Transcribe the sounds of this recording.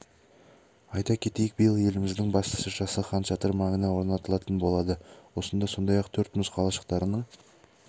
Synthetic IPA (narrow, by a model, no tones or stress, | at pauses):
ɑjt̪ɑkʲʰe̞t̪ejɪk̚bəjəlˠje̞lɪmɪzd̪ɪŋbɑst̪ə̥səʒɑsəχɑnʃɑt̪əɾmɑŋənɑwo̞ɾnɑt̪əlˠɑt̪ənbo̞lˠɑd̪əwo̞sənd̪ɑso̞nd̪ɑjɑqt̪ʰɵɾt̪mʊsqʰɑlˠɑʃə̥qt̪ɑɾənəɴ